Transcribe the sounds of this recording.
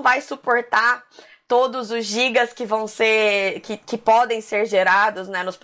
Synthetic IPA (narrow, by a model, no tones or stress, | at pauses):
vajsupoɾt̪a | t̪od̪ʊzʊzʒiɡɐskɪvɐ̃w̃seɾkɪkɪpɔd̪ẽj̃seɾʒeɾad̪ʊznɛnʊsp